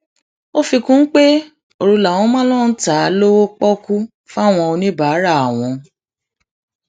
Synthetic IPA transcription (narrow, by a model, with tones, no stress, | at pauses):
o˦fi˧kũ˦n̩˦k͡pe˦ | o˧ɾu˧la˨w̃ɔ̃˧˦mã˦lɔ̃˦n̩˦ta˨˦lo˦wo˦k͡pɔ˦ku˦ | fa˦˨w̃ɔ̃˧o˧nĩ˦baː˨˦ɾa˦˨a˨w̃ɔ̃˧